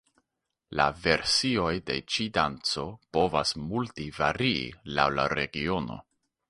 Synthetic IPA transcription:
la̰ve̞ɾsio̞jde̞̰t͡ʃidant͡so̞po̞vasmultivaɾiḭlawla̰ɾe̞̰ɡio̞no̞̰

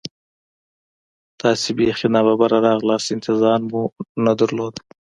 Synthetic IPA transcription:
t̪ɑːsebexinɑbabaɾaɾɑɣlɑsɪnt̪ʰɪzɑɾmunad̪əɾlod̪

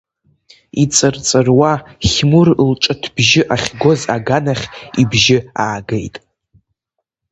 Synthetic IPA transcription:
it͡sʼɨrt͡sʼɨrwaχʲmurlʈ͡ʂʼɨtʰb̥ʒɪʔaχʲɡo̞za̰ɡanaχʲibʒɪaːɡejtʼ

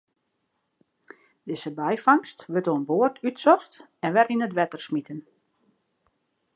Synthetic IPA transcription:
d̥ɪsəbɛjfɑŋstʋøtoənboərtʰytsɔxtɛnʋɛrinətʋɛtərsmitən

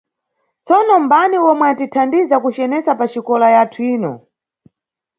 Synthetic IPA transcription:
t͡sɔnɔmbaniwɔmwɛatitʰandizakut͡ʃɛnɛsapat͡ʃikɔlajatʰuiːnɔ̰

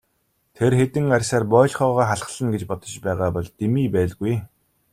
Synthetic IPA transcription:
t̪ʰerxet̪ɘ̆ŋarʲsaːrpɔːɮʲχɔːʁaːχaɮχəɮə̆nɡet͡ɕpɔt̪ɞ̆t͡ɕpæːʁaːpɔɮt̪emiːpæːɮɡuj

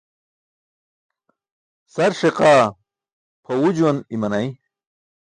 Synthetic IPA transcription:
sɐɾʂeqaː | pʰɐwud͡ʑwɐnimɐnɐj

